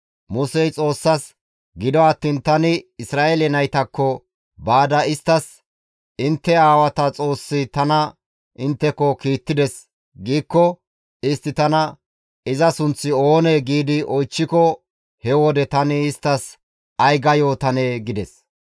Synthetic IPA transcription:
mʊsɛjt͡sʼo̞ːsːɐs | ɡɪd̪ɔɐt̪ːiːnt̪ɐnɪɪsɾaːʔelɛnɐjt̪ɐkːɔ | baːd̪ɐɪst̪ːɐs | ɪnt̪ːɛaːwɐt̪ɐt͡sʼo̞ːsːɪt̪ɐnɐ | ɪnt̪ːɛkːɔkiːt̪ːɪd̪ɛs | ɡiːkːɔ | ɪst̪ːɪt̪ɐnɐ | ɪzɐsʊnt͡sːɪo̞ːneɡiːd̪ɪʔɔjt͡ʃːɪkɔ | hɛwɔd̪ɛt̪ɐnɪːst̪ːɐs | ɐjɡɐjoːt̪ɐneːɡɪd̪ɛs

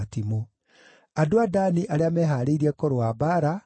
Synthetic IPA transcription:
timo | adoadaniʔaɾeamɛɦaɾeiɾiɛkɔɾoabaɾa

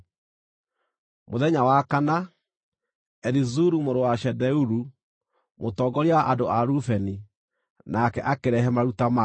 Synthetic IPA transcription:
moðɛɲawakana | ɛɾizuɾumoɾowaʃɛdɛuɾu | motɔɡɔɾiawaʔadoaɾufɛni | nakɛʔakeɾɛɦɛmaɾutama

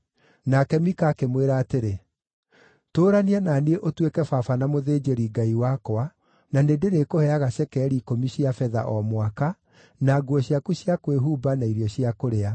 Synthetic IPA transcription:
nakɛmikaːkemweɾaːteɾe | toːɾaniananieʔotwekɛfafanamoðeːd͡ʒeɾiɡaiwakoa | nanedeɾekohɛaɣaɕɛkɛɾikomiɕiafɛða̰ʔɔmwaka | naɡwɔɕjakuɕiakweɦuːbanaiɾjɔɕiakoɾea

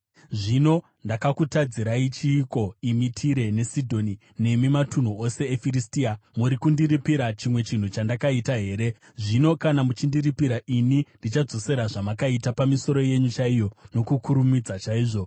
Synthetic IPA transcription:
ʐino̞ | ndakakutad͡ziɾait͡ʃiːko̞imitʰiɾe̞ne̞sidʱo̞ni | ne̞mimatun̤uo̞se̞efiristiamuɾikundiɾipiɾat͡ʃimwe̞t͡ʃin̤ut͡ʃandakaitaɦe̞ːɾe̞ | ʐino̞kanamut͡ʃindiripiɾaʔinindit͡ʃad͡zo̞se̞ɾaʐamakaitapamiso̞ɾo̞je̞ɲut͡ʃaijo̞no̞kukuɾumid͡zat͡ʃaiːʐo̞

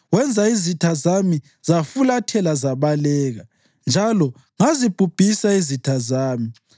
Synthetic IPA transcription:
wɛnd͡zʱaizitʰazami | z̥afulatʰɛlazaβalɛːɣa | nd͡ʒʱalɔ | ŋazib̥ʱub̥ʱisaizitʰazaːmi

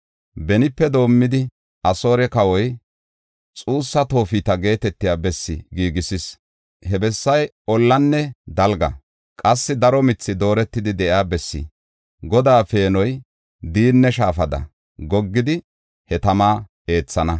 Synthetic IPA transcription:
bɛnɪpːɛd̪o̞ːmːɪd̪ɪ | ʔɐso̞ːɾɛkɐwɔj | t͡sʼuːsːɐt̪o̞ːfit̪ɐɡe̞ːt̪ɛt̪ːɪjaːbɛsːɪ̰ɡiːɡɪsɪs | hɛbɛsːɐj | ɔlːɐnːɛd̪ɐlɡɐ̰ | kʼɐsːɪd̪ɐɾɔmɪt͡sːɪd̪o̞ːɾɛt̪ːɪd̪ɪd̪ɛʔɪaːbɛsːɪ̰ | ɡɔd̪aːfe̞ːnɔj | d̪iːnːɛʃaːfɐd̪ɐ̰ | ɡɔɡːɪd̪ɪ | hɛt̪ɐmaː | e̞ːt͡sːɐnɐ

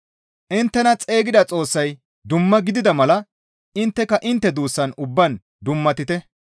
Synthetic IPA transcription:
ʔɪnt̪ːɛnɐt͡sʼe̞ːɡɪd̪ɐt͡sʼo̞ːsːɐj | d̪ʊmːɐɡɪd̪ɪd̪ɐmɐlɐ | ɪnt̪ːɛkɐʔɪnt̪ːɛd̪uːsːɐnʊbːɐn | d̪ʊmːɐt̪ɪt̪ɛ

